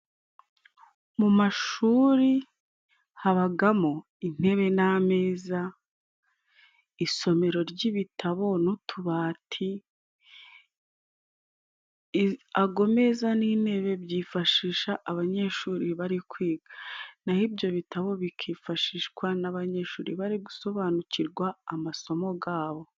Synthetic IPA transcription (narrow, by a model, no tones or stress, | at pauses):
mumaʃuːɾi | haβaɡamo̞ | in̥e̞βe̞name̞ːza | iso̞me̞ɾo̞ɾɟiβitʰaβo̞nutʰuβaːtʰi | aɡo̞me̞zanin̥e̞βe̞bjiːfaʃiːʃaʔːβaɲe̞ʃuːɾiβaɾikwiːɡanahibjo̞βitʰaβo̞βikʰiːfaʃiːʃkwanaβaɲe̞ʃuːɾiβaɾiɡuso̞βaːnuciɾɡwaːmaso̞mo̞ɡaːβo̞